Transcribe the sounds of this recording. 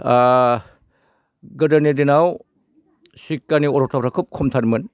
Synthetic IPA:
ɡɯdɐnedinaw | sikːaniɔɾɔtʰapɾakʰɯp̚kʰɔmtʰaɾmɯn

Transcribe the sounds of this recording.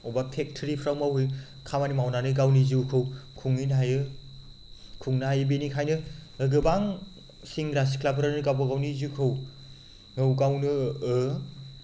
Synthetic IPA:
ɔbapʰek̚tʰɾipʰɾawmawɦɯj | kʰamanimawnanɯɡawnizikʰɯwkʰuŋinɦajɯ | kʰuŋnaɦajɯbenikʰajnɯɯɡɯbaŋ | siŋɡɾas̬i̥kʰlapʰɯɾanɯɡawbaɡawnizikʰɯw | ŋɯwɡawnɯɯ

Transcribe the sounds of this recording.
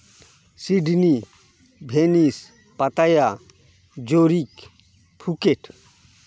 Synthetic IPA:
siɖni | bʱenis | pɐt̪aja | d͡ʒoɾik | pʰukeʈʰ

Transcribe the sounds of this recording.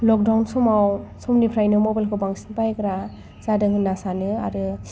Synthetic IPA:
lɔk̚dawnsɔmawsɔmnipʰɾajnɯmɔbalkʰɯbaŋsinpajkɾa | zadɯŋɯnasanɯa̰ɾɯ

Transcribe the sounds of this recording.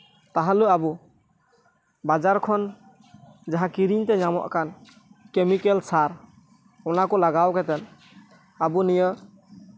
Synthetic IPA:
t̪aɦaluabu | bad͡ʒaɾkʰɔn | d͡ʒaɦãkiɾiɲt̪ɛɲamɔ̰ʔkan | kemikɛlsaɾ | ɔnakɔlaɡawkɛt̪ɛn | abunijə

